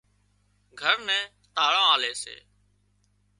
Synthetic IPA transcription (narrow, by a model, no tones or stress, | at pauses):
ɡʱəɾnɛ̃ː | t̪aːɽãːaːleːsḛː